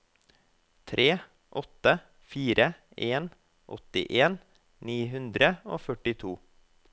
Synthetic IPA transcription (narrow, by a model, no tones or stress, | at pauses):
t̪ʰɾʔeː | ʔɔt̪ə | fiːɾə | eːn | ʔɔ̰t̪ɪ̰ʔeːn | niːɦʉnd̪ɾəo̰ːfœʈɪt̪ʰuː